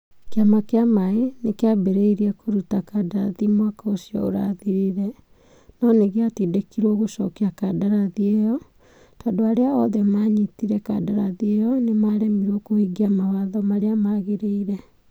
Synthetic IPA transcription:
keamakeamaenekeabeɾeiɾiɛkʰoɾutakadaaðimwakaosijɔ̰o̰ɾa̰ðiɾiɾɛ | nɔneɣeatidekiɾwoɣoʃɔ̰keakadaɾaðiejɔ | tadoaɾeaɔðɛmaɲitiɾɛka̰daɾaðiejɔnemaɾemiɾokohiɡiamawaðɔmaɾeamaɣeɾeiɾɛ

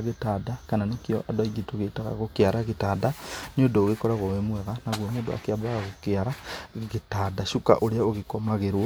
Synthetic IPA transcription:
ɣetaːdakananekjɔʔadɔiɣitoɣetaɣa̰ɣokeaɾaɣetaːdanodoːɣekɔɾaɣowemwɛɣanaɣwomondoa̰keabaɣaɣokeaɾaɣetadaʃuka̰ʔoɾeaoɣekomaɣeɾwo

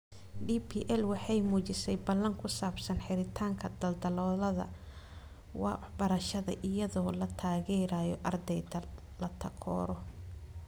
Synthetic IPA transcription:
ɖipʰiːʔɛlwɑħɑjmuːt͡ʃɪsɛjbɐlɐŋkʰʊsaːbsɐnħɪɾɪt̪ʰaːŋkʰɐd̪ɐld̪ɐlɔːlɐðɐ̰ | wɑ̰ːwɑħbɐɾɐʃɐðɐ̰ʔɪjɐðɔːlɐt̪ʰaːɣɛːɾaːjɔʔɐrd̪ɛjd̪ɐ | lɐt̪ʰɐkʰɔ̰ːɾɔ

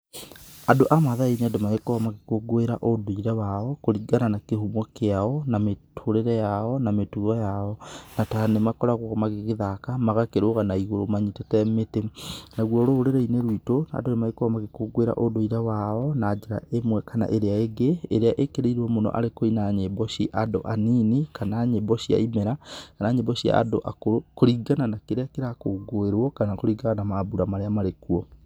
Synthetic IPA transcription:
adoʔamaðaineadomaekowamakekoɡoeɾaʔodoiɾawaɔkoɾiɡananakeɦumwɔkeaɔnametʰoɾeɾɛjaɔnametuɣɔjaɔnatanemakɔɾaɣwɔɣɔmaɣeɣeðakamaɣakeɾoɣanaiɣoɾomaɲitetɛmetenaɣwɔɾoːɾeɾeineɾwitona̰donemaɾekwamaɣekoɡweɾa̰ʔodoiɾawaɔnad͡ʑeɾa̰emwɛkana̰ʔeɾeaeɡeːɾeaʔekeɾeiɾɔmonɔ̰ʔa̰ɾekoinaɲebɔɕiʔado̰ʔaninikanaɲebɔɕija̰imɛɾakanaɲebɔɕia̰ːdo̰ʔakoɾokoɾiɡananakeɾeakeɾakoɡoeɾwɔkanakoɾiɡaɣanamabuɾamaɾeamaɾekuɔ

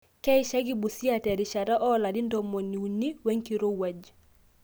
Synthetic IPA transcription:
kɛjʃaɡibusiatɛɾiʃaɾaʔɔladindomoniuniweŋkiɾowad͡ʒ

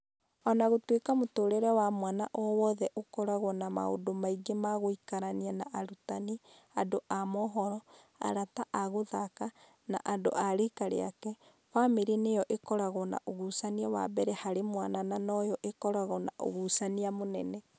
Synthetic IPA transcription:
ɔnaɣotwekamotoːɾɛɾɛwamwanaʔɔwɔðɛʔokɔɾaɣɔnama̰o̰domaiɡemaɣoikaɾanianaʔaɾutani | adoʔamɔɦɔɾɔ | a̰ɾataʔaɣoðaka | na̰ʔado̰ʔaɾekaɾḛa̰kɛ | famiɾinejɔʔekɔɾaɣɔna̰ʔoɣusaniawa̰bɛɾɛhaɾemwanananɔjɔʔekɔɾaɣɔna̰ʔo̰ɣusaniamonɛnɛ

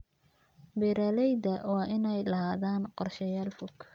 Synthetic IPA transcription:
biɾalɛjðɐwɑːʔɪnɛjlɐɦaːðaːnqɔrʃɐjaːlfʊɡ

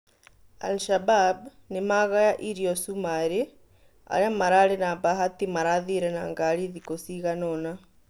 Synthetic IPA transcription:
a̰lʃabab | nemaɣajaʔiɾiɔsumaɾe | a̰ɾeamaɾaɾɛnabaɦat̪imaɾaðiɾɛna̰ŋɡaɾiðikosiɣanɔna

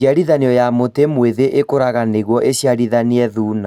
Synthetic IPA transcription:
aɾiðaniɔjamotemweðeʔekoɾaɣaneɣwɔʔeɕjaɾiðaniɛðuːna

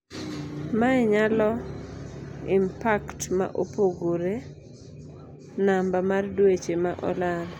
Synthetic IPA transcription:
maɛɲalɔ | ɪmpaktma̰ʔopoɡoɾe | nambamardwet͡ʃemaʔɔ̰lan

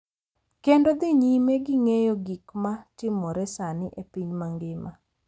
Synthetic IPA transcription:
kendod̪ɪɲimeɡɪŋejoɡikmatɪmɔɾɛsanɪʔepiɲmaŋɡɪma

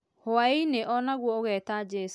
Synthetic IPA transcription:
hʊaineʔɔnaɣwɔoɣɛːtad͡ʒɛs

